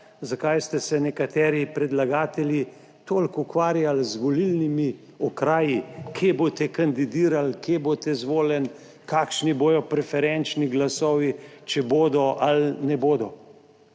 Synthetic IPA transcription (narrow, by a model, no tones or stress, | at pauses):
zakajst̪ɛsɛnɛkat̪ɛːɾipɾɛd̪laɡaːt̪ɛlji | t̪oːlkukʋaːɾjalzʋɔlilnimi | ɔkɾaːjikʰeːbot̪ɛkand̪id̪iːɾalkʰjeboːt̪ɛzʋoːlɛn | kaːkʃniboːj̪ɔpɾɛfɛɾɛnt͡ʃniɡlasɔʋit͡ʃɛboːd̪ɔʔalnɛboːd̪ɔ